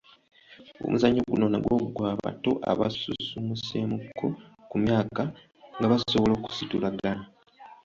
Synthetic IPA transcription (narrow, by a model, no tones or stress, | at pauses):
o̰mʔuzaɲːoɡuno̞naɡwokɡwaːβa̰to̞ʔa̰βa̰sṵsumuse̞mukʰːo̞kumjaːka | ŋɡaβasoβolo̞ːku̥situlaɡana